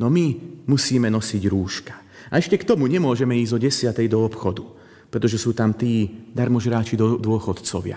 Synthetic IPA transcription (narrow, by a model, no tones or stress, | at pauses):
nɔmimusiːmɛnɔsiɟɾuːʃkḁ | aɛʃcɛkt̪ɔmuɲɛmʊɔʒɛmɛiːzd̪ɔɟɛsɪat̪ɛjd̪ɔɔpxɔd̪u | pɾɛt̪ɔʒɛsuːt̪amt̪iːd̪aɾmɔʒɦɾaːt͡ʃid̪ɔd̪ʊɔxɔt̪t͡sɔʋɪa̰